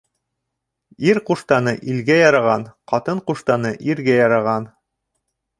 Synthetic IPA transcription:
iɾquʃt̪ɑnɤʔilɡæjɑɾɑʁɑnqɑt̪ɤɴquʃt̪ɑnɤʔiɾɡæjɑɾɑʁɑn

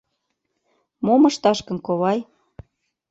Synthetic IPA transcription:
momɤ̆ʃt̪ɑʃkə̆nkoβɑj

